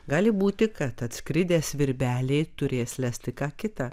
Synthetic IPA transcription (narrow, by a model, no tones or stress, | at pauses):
ɡɑːlʲɪbuːt̪ʲɪkɐt̪ɐt̪ʲskɾʲɪd̪ʲeːsʋʲɪɾʲbʲæːlʲeɪt̪ʊɾʲeːslʲæsʲt̪ʲɪkɑːkʲɪt̪ɑ